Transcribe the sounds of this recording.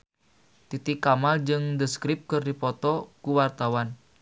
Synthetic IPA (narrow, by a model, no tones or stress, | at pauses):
t̪it̪ikamald͡ʒɨŋdəskɾɪp̚kɨrdipɔt̪ɔkuwart̪awan